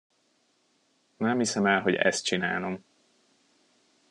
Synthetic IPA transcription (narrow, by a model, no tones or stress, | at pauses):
nɛmhisɛmɛlɦo̞ɟɛ̰st̪̚t͡ʃinaːlo̞m